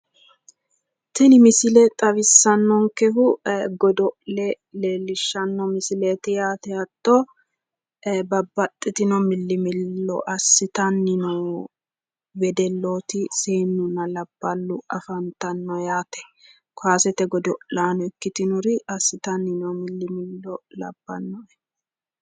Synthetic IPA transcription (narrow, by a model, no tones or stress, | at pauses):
t̪ɛnɪmɪsɪlɛt̪ʼɐβɪsːɐnːɔŋkɛhʊɡɔd̪ɔʔlɛ | le̞ːlːɪʃːɐnːɔmɪsɪlet̪ɪjaːt̪ɛɐt̪ʼːɔ | bɐbːɐt̪ʼːɪt̪ɪnɔmɪlːɪmɪlːɔ̰ʔɐsːɪt̪ɐnːɪnɔw | bɛd̪ɛlːoːt̪ɪseːnːʊnɐlɐb̥ːɐlːʊɐfɐnt̪ɐnːɔjaːt̪ɛ̥ | kaːsɛt̪ɛɡɔd̪ɔʔlaːnɔɛkːɪt̪ɪnʊɾɪɐsːɪt̪ɐnːɪnɔmɪlːɪmɪlːɔlɐ̰b̥ːɐnːɔɛ